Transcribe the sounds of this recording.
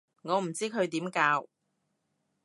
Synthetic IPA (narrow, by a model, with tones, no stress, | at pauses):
ŋɔː˨˧m̩˨˩t͡siː˥kʰɵ˨˧ɥt̪iː˨˥mkaː˧w